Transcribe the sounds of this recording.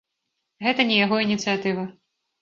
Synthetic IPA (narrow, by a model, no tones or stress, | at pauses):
ɣɛt̪ɐnʲijaɣɔinʲit̪sɨjat̪ɨvɐ